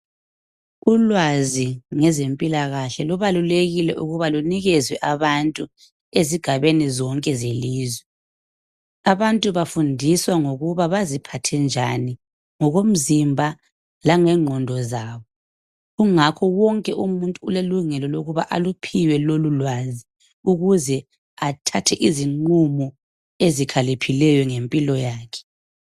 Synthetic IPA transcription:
ulwaziŋɛzempʼilaɣaɬɛluβaluleɣilɛʔuɣuβaluniɣɛzwɛʔaβantʼu | eziɡ̥ʱaβenizɔŋkʼɛzeliːzwɛ | aβantʼuβafundʱiswaŋoɣuβaβazipʰatʰɛnd͡ʒʱani | ŋɔɣom̩zimbʱa | laŋɛŋ͡ǃʱɔndʱɔzaːβɔ | ɣuŋakʰɔwɔŋkʼɛʔumuntʼuːleluŋɛlɔloɣuβaʔalupʰiwɛlolulwazi | uɣuzɛ | atʰatʰɛʔiziŋ͡ǃumɔ | ezikʰalipʰilɛjɔŋempʼilɔjaːkʰɛ̥

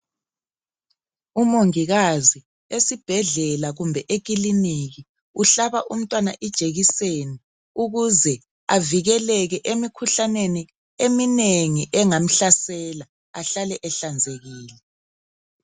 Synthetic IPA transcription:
umoŋiɣazi | esib̥ʱɛɮɛlaɣumbʱɛʔek̬ʼiliniɣi | uɬaβaʔum̩tʼwana̰ʔid̥ʒ̥ʱeɣiseni | uɣuzɛ | aviɣɛlɛɣɛʔemikʰuɬaneni | emineŋiʔɛŋam̩ɬasɛla | aɬalɛʔɛɬand͡zʱeɣiːlɛ

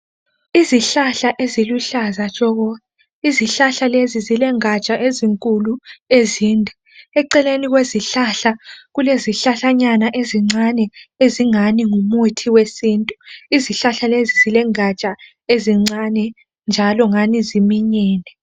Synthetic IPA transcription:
iziɬaɬaʔeziluɬazat͡ʃʼɔɣɔ | iziɬaɬalezizilɛŋat͡ʃʼaʔeziŋkʼulueziːndʱɛ | ɛǀɛleniɣweziɬaɬaɣuleziɬaɬaɲanaʔeziŋ͡ǀanɛeziŋaniŋumutʰiwesiːntʼuiziɬaɬalezizilɛŋat͡ʃʼa | eziŋ͡ǀanɛ | nd͡ʒʱalɔŋanizimiɲɛːnɛ

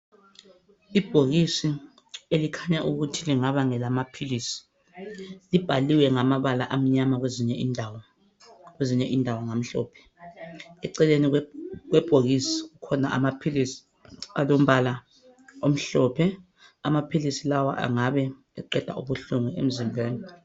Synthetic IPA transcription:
ib̥ʱoɣisi | elikʰaɲaʔuɣutʰiliŋaβaŋɛlamapʰilisi̥ | lib̥ʱaliwɛŋamaβalaʔam̩ɲamaɣweziɲɛindʱawɔ | kweziɲɛʔiːndʱawaŋam̩ɬɔ̰ːpʰɛ̥ | ɛǀɛlenik̬wɛb̥ʱoɣisiɣukʰɔnaʔa̰mapʰilisi̥ | alom̩ɓala | om̩ɬɔpʰɛ | amapʰilisilawa̰ʔa̰ŋaɓɛ | ɛǃɛd̥ʱa̰ṵɓuɬuŋɛḛm̩zimbʱweːni

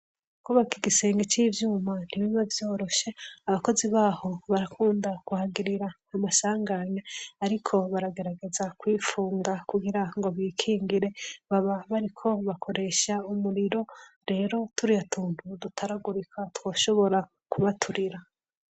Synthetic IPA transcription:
kuβakiɡise̞ːŋɡet͡ʃiːvjuːman̥iβiβavjo̞ːɾo̞ʃe̞aβako̞ziβaːho̞βaɾakʰuːndakuhaɡiɾiɾa | amasaːŋɡaɲaaɾikʰo̞βaɾaɡe̞ɾaɡe̞zakwiːfuːŋɡakuɡiɾaŋɡo̞βiːkʰiːŋɡiɾe̞βaβaβaɾikʰo̞βakʰo̞ɾe̞ʃaumuɾiɾo̞ɾe̞ːɾo̞tuɾijatuːn̥udutʰaɾaɡuɾikʰatwo̞ːʃo̞βo̞ɾa | kuβatʰuɾiɾa

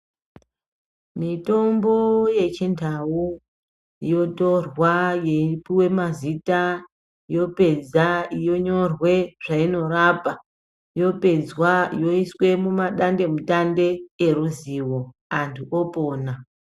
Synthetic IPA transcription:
mito̞mbo̞je̞t͡ʃindʱawu | ijo̞torwajepiwe̞mazita | ijo̞pe̞d͡zaijo̞ɲo̞rwe̞ʐ̥aino̞rapa | jo̞ped͡zwajo̞iswe̞mumaɗande̞mutande̞ːruziːwo̞ | antʰuʔopoːna

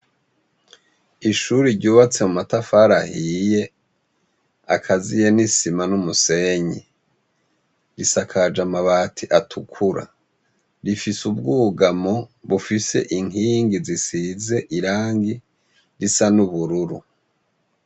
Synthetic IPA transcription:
iʃuɾiɾɟuːβat͡se̞mumatafaɾahije̞ | akʰazijenisimanumuse̞ɲi | ɾisakʰad͡ʒamaβaːtʰiʔatʰukʰuɾa̰ | ɾifisub̚ɡuːɡamoβufise̞̰ʔiŋiːŋɡizisize̞ʔiɾaːŋɡi | ɾisanuβuɾuɾu

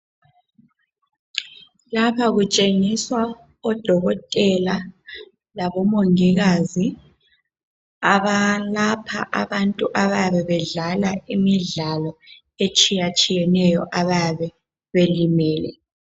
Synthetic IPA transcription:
lapʰaɣut͡ʃʼeŋiswa | ɔd̥ʱɔɣɔtʼɛla | laβɔmoŋiɣazi | aβalapʰa̰ʔaβantʼuʔaβaβɛβɛɮalaimiɮalɔ | et͡ʃʼijat͡ʃʼijɛnɛjɔʔaβaβɛ | βelimɛːlɛ̰

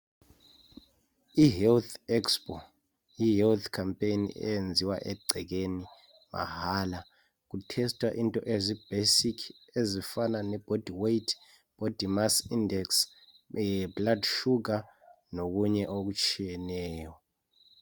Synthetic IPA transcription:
iɦɛlt̪ʰɛkspʼɔ | jiɦɛlt̪ʰkʰampʼejnḭʔɛ̰jend͡zʱiwa̰ʔɛɡ͡ǀʱɛk̬eni | ma̰haːla | k̬utʰɛstʰʼwa̰ʔintʼɔʔezib̥esikʰ | ezifananɛb̥ʱod̥ʱiwejtʰ | b̥ʱod̥ʱimasindɛks | bladʃuk̬a | nok̬uɲɛʔok̬ut͡ʃʰijɛnɛːjɔ

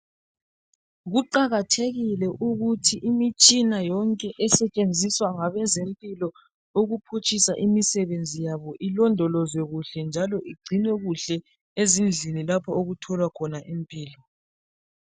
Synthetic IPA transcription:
ɣuǃaɣatʰeɣilɛʔuɣutʰiʔimit͡ʃʼinajɔŋkʼɛʔɛsɛt͡ʃʼend͡zʱiswaŋaβɛzempʼilɔ | oɣupʰut͡ʃʰʼisaʔimisɛβend͡zʱijaβɔʔilɔndʱɔlɔzwɛɣuɬɛnd͡ʒʱalɔʔiɡ͡ǀʱinwɛɣuɬɛ | ezind͡ɮʱinilapʰaoɣutʰɔlwakʰɔnaʔempʼiːlɔ

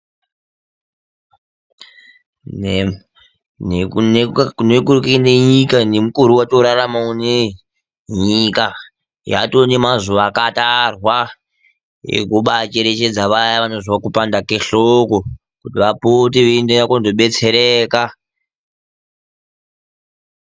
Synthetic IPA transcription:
nenekukneɲikanemukuɾuwatoɾaramaune | ɲika | ja̰tone̞mazuʋaːkatarwa | jḛkuɓat͡ʃe̞ɾe̞t͡ʃe̞d͡zaʋajaʋano̞ziwakupandakeɬoko̞ | kutiʋapotiʋeindenakondoɓe̞t͡se̞ɾeːka

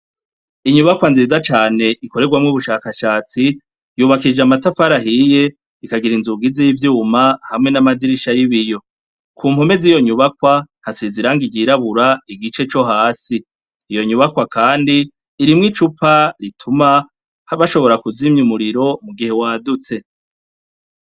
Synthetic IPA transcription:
iɲuβakwanziːzat͡ʃaːne̞ʔiko̞ɾe̞ɡwamŋuβuʃaːkaʃaːt͡si | juːβakid͡ʒamatafaɾaɦije̞ | ikaɡiɾinzuɡizijivjuːmahamŋe̞namadiɾiʃajiβijo̞ | kʰuːmhome̞ziːjo̞ɲuβakwanhasiziɾaŋɡiɡiɾaβuɾaiɡit͡ʃe̞t͡ʃo̞ɦaːsiː | jo̞ɲuβakwakaːndiː | ɾimŋit͡ʃupaɾitʰuma | βaʃo̞βo̞ɾakuzimɲumuɾiɾo̞muɡihe̞waːdut͡se̞

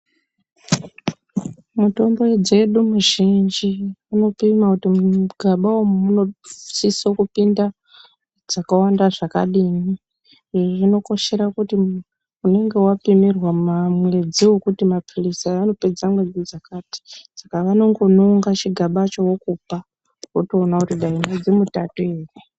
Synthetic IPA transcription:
muto̞mbo̞ed͡ze̞ɗumuʒind͡ʒiano̞pimakutimɡʱaɓawomumuno̞sisokupinda | d͡zakawandaʐaka̰ɗiːni | iʐoʐino̞ko̞ʃe̞ɾakuti | une̞ŋɡe̞wapimirwamamwe̞d͡ziwokutimapʰulisaano̞ped͡zamwe̞d͡zid͡zakaːti̥sakaʋano̞ŋɡo̞noŋɡat͡ʃiɡʱaɓat͡ʃo̞wokupa | utoːnakutiɗaimwed͡zimutatoeːri

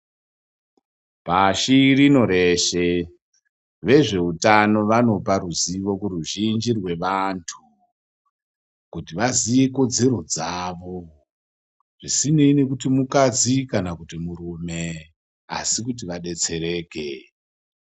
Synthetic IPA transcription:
paʃirino̞ɾe̞ʃe | ʋe̞ʐe̞utano̞ʋano̞paɾuziʋo̞kuruʒind͡ʒirwe̞ʋantʰu̥ | kutiʋazijeko̞d͡ze̞ɾo̞d͡zaʋo̞ | ʐ̥isine̞ine̞kutimukad͡zikanakutimuɾume̞ | a̰sikut̬iʋaɗe̞t͡se̞ɾe̞ːkḛ

